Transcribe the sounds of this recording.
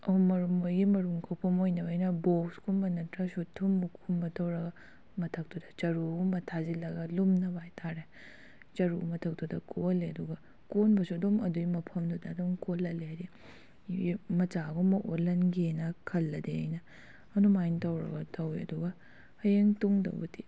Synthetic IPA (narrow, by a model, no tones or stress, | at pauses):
ɐmɐɾumojɡimɐɾuŋkʰowpʰɐmojnɐbɐjnɐbokskʰumbɐnɐtɾɐsutʰːumːukʰumbɐtʰɐwɾɐɡɐ | mɐtʰɐk̚tudɐ̥t͡ʃɐɾumɐtʰazilɐɡɐlumnɐbajtʰaɾe | t͡ʃɐɾumɐtʰɐk̚tudɐkʰoleɐduɡɐ | konbɐsudomɐduimɐpʰɐmdudɐːdumkolɐleɦaɾi | imɐt͡ʃaɡomɐʔolɐnɡenɐkʰɐlːɐdeɐjnɐ | ɐnumajntɐwɾɐ̰ɡɐtʰɐwiɐ̰duɡɐ | hɐjeŋtuŋdɐ̰bṵti